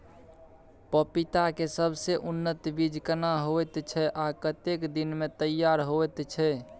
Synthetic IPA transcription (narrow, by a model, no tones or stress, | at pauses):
pəpit̪akesəbʱseʔunːət̪bid͡ʒʱkənaɦoɛt̪t͡ʃʰɛʔakət̪ekd̪inmet̪əjːaɾɦoet̪t͡ʃʰɛ